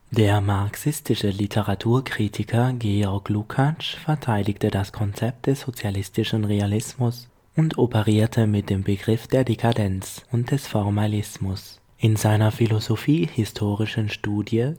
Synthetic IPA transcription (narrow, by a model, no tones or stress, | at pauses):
d̥eːɐmaʁksɪstɪʃəlitʰəʁatʰuːɐkʁ̥iːtʰɪkʰɐɡeːɔɐɡlukʰat͡ʃfɛɐtʰaɪdɪçtədaskʰɔnt͡sɛp̚t̚d̥ɛsz̥ot͡sjalɪstɪʃn̩ʁealɪsmʊs | ʊntʰopəʁiːɐtʰəmɪt̚d̥eːmbəɡʁɪfd̥eːɐdekʰadɛnt͡sʊnt̚d̥ɛsfɔɐmalɪsmʊs | ʔɪnzaɪnɐfilozofiːhɪstʰoːʁɪʃənʃtuːdjə